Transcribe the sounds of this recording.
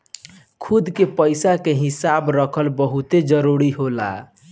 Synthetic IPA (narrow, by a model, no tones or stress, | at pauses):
kʰud̪ʱkepəɪsakeɦisabɾəkʰəlbəɦut̪ed͡ʒəɾuɾiɦola̰